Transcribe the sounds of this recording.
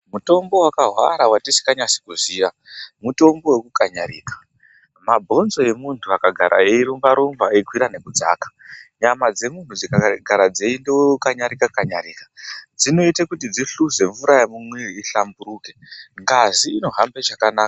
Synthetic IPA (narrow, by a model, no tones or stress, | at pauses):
muto̞mbo̞wakaɦwa̰ɾawatisi̥kaɲasi̥kuziːja | muto̞mbo̞wekukaɲaɾḭːkḁ | mabʱo̞nzo̞e̞muntʰuakaɡʱaɾʔa̰eiɾumbaɾumvaekʰwiɾane̞kud͡za̰ːkḁɲamad͡ze̞muntud͡zikaɡʱaɾad͡zeindewekukaɲaɾikakaɲaɾiːkḁd͡zino̞itekutid͡ziɬuze̞ɱvuɾajamumweriɬambuɾuːke̞ŋɡaziːno̞ɦambeʐakanaːka